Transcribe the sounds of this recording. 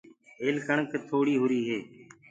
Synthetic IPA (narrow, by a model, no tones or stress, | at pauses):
eːlkəɳkt̪ʰoːɽiːɦʊɾiːɦeː